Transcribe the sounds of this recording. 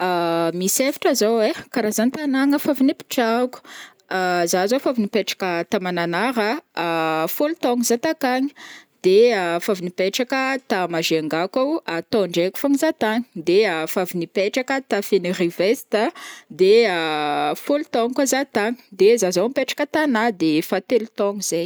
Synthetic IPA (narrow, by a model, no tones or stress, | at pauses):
amisefi̥ʈ͡ʂazowekaɾazant̪anaŋəfavinipi̥ʈ͡ʂaku̥ | azazofavinipeʈ͡ʂḁkət̪amananaɾə | fulut̪ɔŋizat̪akaɲi̥d̪̥eafavinipeʈ͡ʂakət̪amaʒeaŋɡakawat̪ɔɳɖ͡ʐeku̥faŋizat̪aŋi̥d̪eafavinipeʈ͡ʂakət̪afenirivesi̥t̪əd̪eafolut̪ɔŋkazat̪aŋi̥d̪ezazaampeʈ͡ʂḁkət̪anad̪efat̪elut̪ɔŋiz̥ej